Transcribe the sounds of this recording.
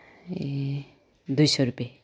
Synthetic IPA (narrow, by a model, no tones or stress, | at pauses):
d̪ujsʌɾupe